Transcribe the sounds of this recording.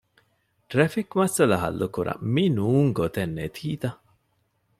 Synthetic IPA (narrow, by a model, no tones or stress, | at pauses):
ʈɾefikmɐsɐlɐɦɐ̰lːukuɾɐ̰minuːŋɡot̪enːet̪ʰiːt̪ɐ